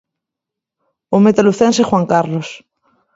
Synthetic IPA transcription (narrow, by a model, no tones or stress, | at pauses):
omet̪aluθɛnsexwaŋkaɾlos